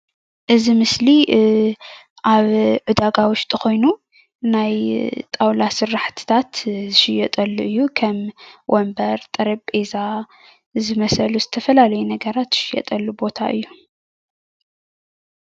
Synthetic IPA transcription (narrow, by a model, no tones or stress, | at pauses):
ʔɨzimɨsli | ʔaβʕɨd̪aɡawʊʃt̪ʼɨxo̞jnu | najt̪ʼawlasɨɾːaħt̪ʰɨ̥t̪ʰat̪zɨʃɪjɛt̪ʼɐlːuʔɨjːukʰɐmwʔɔmbɐɾt̪ʼɐɾɐbʼe̞za | zɨmɐsɐluzɨt̪ʰɐfɐlalɐjunɐɡɐɾat̪z̥ɨ̥ʃɪjɛ̰t̪ʼɐlːubo̞t̪ʰa̰ʔɨ̰jːu